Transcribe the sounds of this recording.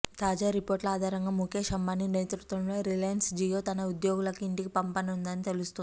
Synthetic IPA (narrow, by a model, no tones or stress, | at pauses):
t̪aːd͡ʒaːɾipoːɾʈlɐaːd̪ʱaːɾɐŋɡaːmukʰeʂɐmbanineːt̪ɾut̪ʋɐmlo̞ːɾilɐjɐnsd͡ʒijo̞ːt̪ɐnɐud̪joːɡulɐkuiɳʈikipɐmpɐnɐund̪ɐnit̪e̞lust̪un